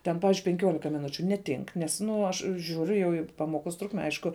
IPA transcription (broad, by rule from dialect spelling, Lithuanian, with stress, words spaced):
tʲɛn ˈpɑːʋʲɪʒʲʊɪ pʲɛŋʲˈkʲuɔlʲɪkɐ mʲɪˈnʊt͡ʃʲʊ nʲɛˈtʲɪŋk ˈnʲɛs ˈnʊ ɐʃ ˈʒʲuːrʲʊ jɛʊ iː ˈpɑːmoːˌkoːs ˈtrʊkmʲɛ ˈɐɪʃkʊ